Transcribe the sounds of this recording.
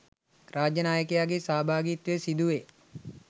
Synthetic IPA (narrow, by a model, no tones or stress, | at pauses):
raːd͡ʒjənaːjəkejaːɡesaːbʱaːɡit̪ʋesid̪uʋe